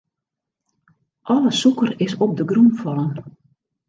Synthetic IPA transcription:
ʔɔləsukərɪsɔp̚dəɡrumfɑlˠən

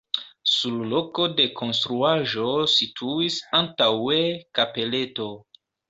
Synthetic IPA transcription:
sullo̞ko̞de̞kʰo̞nstɾuaʒo̞sitʰuisantawekape̞le̞to̞

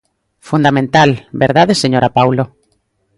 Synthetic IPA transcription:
fund̪amẽnt̪albeɾðaðeseɲoɾapawlo

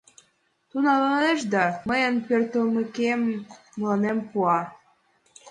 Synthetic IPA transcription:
t̪unɑlɑneʃd̪ɑməjə̆npørt̪əlməkemː | əlɑnempuɑ

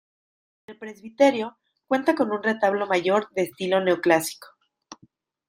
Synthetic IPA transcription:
elpɾe̞zβit̪e̞ɾjo̞ | kwe̞nt̪ako̞nũnre̞t̪aβlo̞maʝo̞ɾðe̞ːst̪ilo̞ne̞oklasi̥ko̥

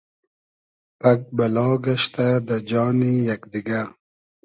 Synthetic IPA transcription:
pak̚balɑːɡaʃt̪ad̪əd͡ʒɑːnijakd̪iɡa

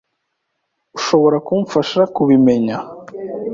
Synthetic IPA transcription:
uʃo̞βo̞ɾakumfaʃakuβime̞ɲa

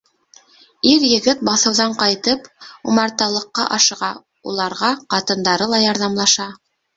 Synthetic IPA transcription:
iɾjɘ̆ɡɘt̪̚bɑθɤ̆wðɑɴqɑjt̪ɤpumɑɾt̪ɑlˠɤ̆qːɑ̰ʔɑʃɤ̆ʁɑ | ṵlˠɑɾʁɑqɑt̪ɤ̆nd̪ɑɾɤlˠɑjɑɾðɑmlˠɑʃɑ

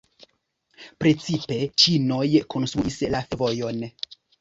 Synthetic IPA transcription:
pɾe̞t͡sipe̞t͡ʃino̞jko̞nst̪ɾuʔislafvojo̞n

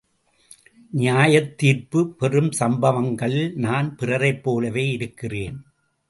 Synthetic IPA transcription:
nɪjaːjɐt̪ːiːrpɯpɛrɯmsɐmbɐʋɐŋɡɐɭɪlnaːnpɪrɐɾɐɪpːoːlɐʋeːɪɾɯkːɪreːn

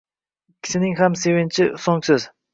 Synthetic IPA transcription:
kʲʰːɪ̥ʃɪnɪŋhamse̞vɪnt͡ʃʰɪsoŋsɪz

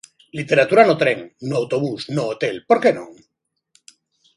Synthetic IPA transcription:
lit̪e̞ɾat̪uɾanot̪ɾeŋnoawt̪oβusnoːt̪elpoɾkenõ̰ŋ

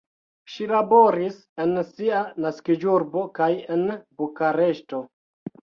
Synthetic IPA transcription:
ʃilabo̞ɾis | e̞nsianaskid͡ʒuɾbo̞kajenbukaɾe̞ʃto̞

